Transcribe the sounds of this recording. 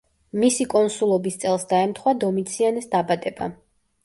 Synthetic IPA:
misikʼɔnsulˠɔbist̪sʼɛlˠsd̪aɛmt̪ʰχwad̪ɔmit̪sʰianɛsd̪abad̪ɛba̰

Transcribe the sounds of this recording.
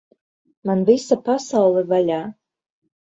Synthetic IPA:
manvisapasawlˠɛvalʲaː

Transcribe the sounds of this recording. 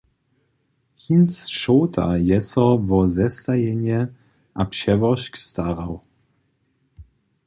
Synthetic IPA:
hinsʃɔwt̪ʰa̰jɛsɔvɔzɛst̪ajɛɲɛ | ʔapʃɛvɔʃkst̪aʁaw

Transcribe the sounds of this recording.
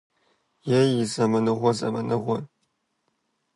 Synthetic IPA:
jɛjɪzɐmɨnɨʁʷɔzɐ̰mɨnɨʁʷɔn

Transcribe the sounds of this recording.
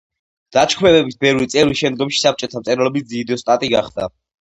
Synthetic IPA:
d̪̥at͡ʃkʰmɛvɛbisbɛvɾit̪sʼɛvɾiʃɛmd̪̚ɡɔmʃi̥sap̚ʰt͡ʃʼɔt̪ʰamt̪sʼɛɾɔlɛbisd̪zid̪ɔst̪ʼat̪ʼiɡaχd̪a

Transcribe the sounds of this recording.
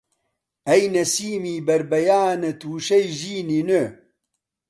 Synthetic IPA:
ɐjnɐsiːmiːbɐɾbɐjaːnɐt̪ʰuːʃɐjʒiːninɨ

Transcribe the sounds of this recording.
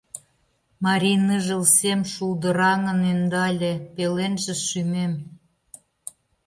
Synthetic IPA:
mɑɾʲinɯʒə̆lsemʃuld̪ə̆ɾɑŋə̆nend̪ɑlʲepelenʒĕʃymem

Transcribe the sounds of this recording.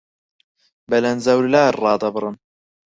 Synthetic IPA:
bɐlɐnzɐwɾlaːɾrɑːd̪ɐbɨɾˤɨn

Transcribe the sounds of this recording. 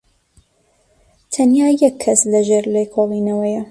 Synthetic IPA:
t̪ʰɐnjaːjɛkʰːɐslɐʒeɾlekʰolˠinɐwɐjɐ

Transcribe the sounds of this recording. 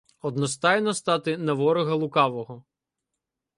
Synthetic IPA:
ɔd̪nɔst̪ɑjnɔst̪ɑt̪ɪnɐʋɔɾɔɣɐlˠʊkɑʋɔɦɔ

